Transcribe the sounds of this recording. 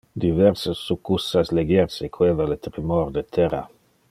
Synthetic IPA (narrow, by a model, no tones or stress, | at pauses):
d̪ivɛɾsasːukːusːasleɡjɛrsekʰwevalet̪ɾimord̪et̪ʰɛra̰